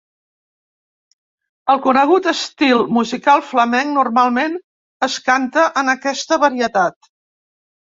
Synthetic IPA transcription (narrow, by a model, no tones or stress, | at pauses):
əlˠkunəɣut̪əst̪ilˠmuzikalˠfləmɛŋnurmalˠmen | əskant̪əʔənəkɛst̪əβəɾiət̪at̪